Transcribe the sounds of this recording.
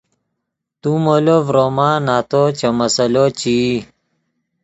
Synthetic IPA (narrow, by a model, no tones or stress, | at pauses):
t̪umolovɾomaːnaːt̪ot͡ɕɐmɐsɐlot͡ɕi